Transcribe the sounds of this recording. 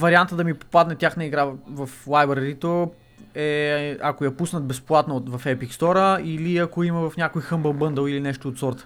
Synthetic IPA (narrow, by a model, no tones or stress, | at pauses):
vɐɾiant̪əd̪ɐmipo̥pad̪nɛt̪ʲjaxnəiɡɾavɐflˠajbəɾɾit̪o | ɛɐkojɐpusnət̪̚bɛsplˠat̪not̪vɐfɛpikst̪ɔɾəiliɐkoimɐvɐfnʲjakojxəmbəlˠbɤnd̪əlˠilinɛʃt̪oːt̪sɔɾt̪ə̥